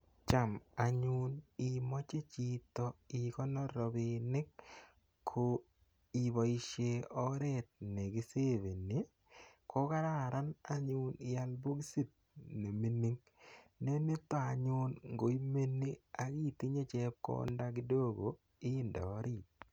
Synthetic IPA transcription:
t͡ʃa˨ma˨ɲunɪ˨mɔ˦t͡ʃe˦t͡ʃi˦t̪ɔ˦ɪ˨kɔ˦nɔ˦ɾɔ˨bɪ˨nɪ˦kʰː | o˨ | i˨βɔ˨i˨ʃe˨ɔ˦ɾe˦t̪̚ne˨ɡi˦se˦ve˨ni˨˦ | ko˦ka˦ɾa˦˨ɾa˦na˦ɲʊ˦nɪ˨ja˦lbu˦ɡsi˦t̪̚ | ne˨mi˦ni˦ŋ | ne˦ne˦t̪ɔ˦a˨ɲʊ˦nŋɡo˨i˦me˦ni˦a˨ki˦t̪ɪ˦ɲe˦t͡ʃɛ˦p̚ko̰˦nda˦kɪ˦do˦ɡo˨ | ɪ˦nda̰˨ɔ˦ɾɪ˦˨t̪̚

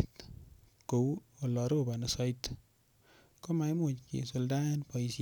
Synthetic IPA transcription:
t | ko˨wo˨lɔ˨ɾo˦ba˨na˨sɔ˦it | ko˦ma˨jmo˨t͡ʃkḛ˨so˧˨lda˦npɔ˨i˨s

